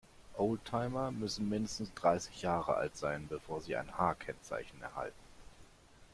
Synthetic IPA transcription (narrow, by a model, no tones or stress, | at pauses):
ʔoʊltʰaɪmɐmʏsn̩mɪndəstn̩sd̥ʁaɪsɪ̥çjaːʁəʔa̰ltz̥aɪnbəfoːɐziːʔa̰ɪnhaːkʰɛnt͡sa̰ɪçn̩ɛ̰ɐha̰ltn̩